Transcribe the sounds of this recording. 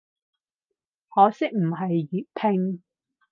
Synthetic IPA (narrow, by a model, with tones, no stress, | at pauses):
hɔː˨˥sɪ˥k̚m̩˨˩ɦɐ˨jːyː˨˩t̚pʰɪ˧ŋ